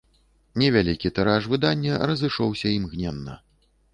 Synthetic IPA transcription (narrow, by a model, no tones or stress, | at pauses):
nʲɛvʲalʲikʲit̪ɛɾaʂvɨd̪anʲːɛrɐzɨʂɔwsʲɐimɣnʲɛnːɐ̰